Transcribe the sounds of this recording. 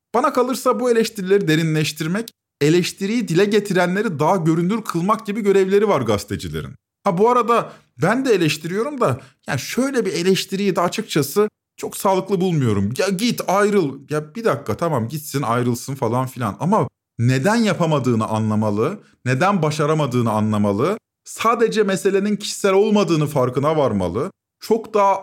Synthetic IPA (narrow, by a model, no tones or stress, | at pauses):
b̥anakʰalˠɯɾsabue̞lʲɛʃt̪ʰiɾilʲe̞ɾid̪e̞ɾinlʲɛʃt̪ʰiɾmɛc | e̞lʲɛʃt̪ʰiɾijid̪ilʲɛɟe̞t̪ʰiɾænlʲe̞ɾid̪aɦaɟø̞ɾynd̪yɾkʰɯlˠmak̚ɟibiɟø̞ɾɛvlʲe̞ɾivaɾɡast̪ʰed͡ʒilʲḛɾḭn | habuaɾad̪a | bænd̪ɛelʲɛʃt̪ʰiɾijo̞ɾumd̪ajaːniʃøjlʲɛbie̞lʲɛʃt̪ʰiɾijid̪ɛːt͡ʃʰɯk̚t͡ʃʰasɯ | t͡ʃʰo̞ksaːlˠɯklˠɯbulˠmujo̞ɾumjaɟit̪ajɾɯlˠjabid̪akːat̪ʰamamɟit̪sinajɾɯlˠsɯnfalˠanfilʲa̰nama | ne̞d̪ænjapʰamad̪ɯːnɯʔa̰nlˠamalˠɯ | ne̞d̪ænbaʃaɾamad̪ɯːnɯanlˠamalˠɯ | saːd̪e̞d͡ʒɛmese̞lʲe̞nincʰi̥ʃi̥sæɾʲo̞lˠmad̪ɯːnɯfaɾkɯnavaɾma̰lˠɯ | t͡ʃʰo̞kd̪aː